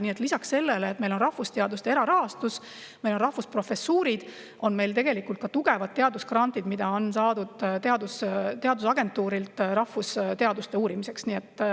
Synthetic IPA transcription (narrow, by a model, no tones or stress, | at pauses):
nie̞t̪ˑlisɑkse̞lːeleːt̪̚mejlo̞nrɑhvust̪eɑd̪ust̪eeɾɑɾɑɦhɑst̪us | me̞jlo̞nrɑhvuspro̞fe̞suːɾid̪̥ | o̞nme̞jlt̪̬e̞ɡ̥e̞likːˑult̪kɑt̪uɡe̞vɑd̪̚t̪ːeɑd̪uskɾɑnt̪id̪mid̪̥ɑo̞nsɑːd̪̥ud̪̥t̪eɑd̪ust̪eɑd̪usɑɡe̞nt̪ːuːɾilt̪ɾɑhvust̪e̞ɑd̪ust̪e̞uːɾimise̞ksniːet̪ːˑ